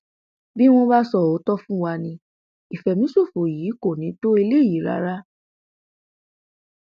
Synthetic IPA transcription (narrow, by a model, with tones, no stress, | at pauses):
bi˦w̃ɔ̃˧ba˦sɔ˦˨o˨˦tɔ˦fũ˦wa˧nĩ˧ | i˨fɛ˨mĩ˨˦so˦˨fo˨jiː˨˦ko˦˨nĩ˨˦to˦e˧le˦˨ji˨˦ɾa̰˨˦ɾa˦